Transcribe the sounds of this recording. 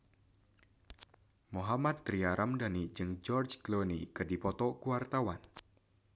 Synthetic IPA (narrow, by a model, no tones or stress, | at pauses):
moɦamat̪̚ːɾiaɾʔamdanid͡ʒɨŋd͡ʒɔrd͡ʒɡlonikɨrdipɔt̪ɔkuart̪awan